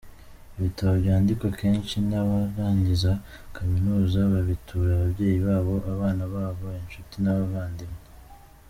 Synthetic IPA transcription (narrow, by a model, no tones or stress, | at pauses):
iβitʰaβoβjaːndikwake̞ːnʃinaβaɾaːɲɟiza | kʰaminuːzaβaβitʰuːɾaβaβje̞ːjiβaːβo̞ʔaβaːnaβaːβo̞inʃutinaβaβaːndime